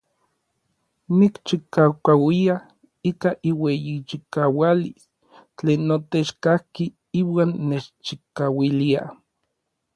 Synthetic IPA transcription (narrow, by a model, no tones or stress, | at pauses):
nikt͡ʃikawkawia | ikaʔiwejit͡ʃikawalis | t͡ɬeːnːot̪et͡ʃkahki | iːwaːnːet͡ʃt͡ʃikawilia̰